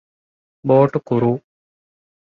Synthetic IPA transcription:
boːʈːɨkuɾu

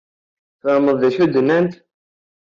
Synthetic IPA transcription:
θəməðˤðæçud̪ənːænt̪

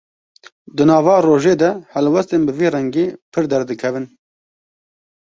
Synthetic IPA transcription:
d̪ɨnɑːvɑːroːʒeːd̪ɛhɛlwɛst̪eːnbɨviːrɛŋɡeːpʰɨɾd̪ɛɾd̪ɨkʰɛvɨn

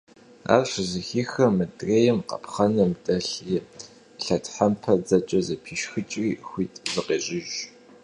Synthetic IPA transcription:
a̰ːrɕʷzɨxiːxɐmɨdʼreːjɛmqɐ̰pʰχɐnɐmtʼɐɬi | ɬɐtʰħampʰɐd͡zɐt͡ʃʼɐzɐpʰiːʃxɨt͡ʃʼriːxʷiːtʼzɨqeːɕʼɪʒ

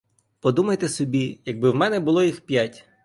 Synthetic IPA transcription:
pɔd̪umɐjt̪ɛsɔbʲijɐɡ̚bɪwmɛnɛbʊlˠɔjixpʲjatʲ

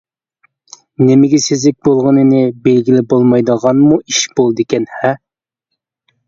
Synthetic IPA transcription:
nɪmɪɡʲɛsezlɪk̚ʲbolˠʁənɨnɨbelɡʲilɪbolˠmɑjd̪əʁɑnmuiʃbolˠd̪ɨkʲɛnhɛ

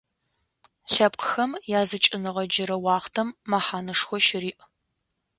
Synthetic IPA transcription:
ɬɐp̚ʼqxɐmjaːzɨt͡ʃʼɪnɨʁɐd͡ʒɪɾɐwɑːχtʰɐmːɐħaːnɐʂxʷɔʃɪriːʔ

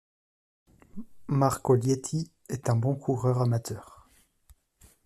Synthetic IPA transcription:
maʁkoljɛt̪ʰi | ɛt̪ɛ̃bɔ̃kʰuʁœʁamat̪ʰœːʁ

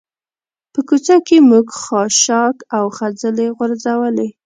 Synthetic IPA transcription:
pəkut͡ʃakemuɡxɑʃɑkawxad͡zəleɣʊɾzawəle

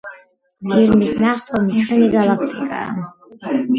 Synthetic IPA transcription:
biɾmisnaχt̪ʼamit͡ʃʰʼuniɡalakʰt̪ʼikʼa̰ː

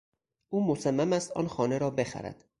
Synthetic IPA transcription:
ʔuːmosæmːæmæst̪ɒ̰ːnxɒːneɾɒːbe̞xæ̰ɾæ̰d̪̥

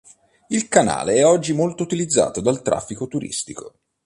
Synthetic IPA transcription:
ilkana̰ːleɛɔd͡ʒːimolt̪out̪ilid̪zːa̰ːt̪od̪alt̪ɾa̰fːikot̪uɾḭst̪iko̰

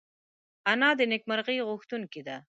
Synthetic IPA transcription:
anɑd̪ənɪk̚maɾɣəjɣʊxt̪unkid̪a

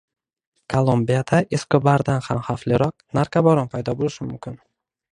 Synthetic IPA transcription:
kʰolˠombijad̪aʔɪsqɪbaɾd̪anhamhaflɪɾɒq̚naɾkʰabɒɾɒnpʰajd̪ɒbolɪʃɪmʊmkʲɪn

